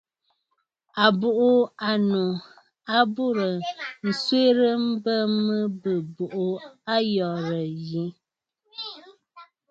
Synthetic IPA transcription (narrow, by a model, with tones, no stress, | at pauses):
a˨bo˨ʔa˨no˨ | a˦bu˦ɾə˨n̩˨swe˦ɾə˦m̩˦bə˦mə˦bə˨bo˨ʔo˨a˦jɔ˨ɾə˨ji˨˦